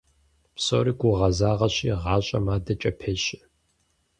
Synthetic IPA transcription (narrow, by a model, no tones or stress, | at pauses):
psoɾiːɡʷʊʁɐzaːʁɐɕiːʁɑːɕʼɐmaːdɐt͡ʃʼɐpʰeːɕɪ